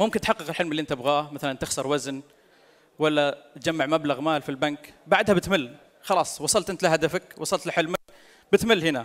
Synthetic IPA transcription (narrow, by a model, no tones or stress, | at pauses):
mʊmkɪnt̪ħɑqːɨqɪlħɪlmlːiʔɪnt̪ɪbɣaːmaθalant̪ɪxsɑɾˤwazn | walːat̪d͡ʒamːaʕmablaɣmaːlfilbankbaʕd̪habɪt̪mɪlː | xɑlɑːsˤwɑsˤɑlt̪ʔɪnt̪laɦad̪afakwʔɑsˤɑlt̪lɪħɪlmak̚ | bɪt̪mɪlːhɪna